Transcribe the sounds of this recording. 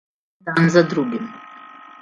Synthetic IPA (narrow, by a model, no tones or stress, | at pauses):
d̪anzad̪ɾuɡim